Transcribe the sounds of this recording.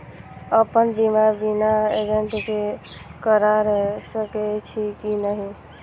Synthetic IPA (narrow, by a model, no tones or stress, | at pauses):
əpənbimabinaed͡ʒeɳʈike | kəɾaɾəsəkɛt͡ʃʰikinəɦi